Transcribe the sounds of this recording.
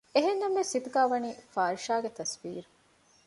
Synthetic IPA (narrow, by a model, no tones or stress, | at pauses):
eɦenːɐmʋesit̪uɡaːʋɐniːfaːɾʃaːɡet̪ɐsbiːɾu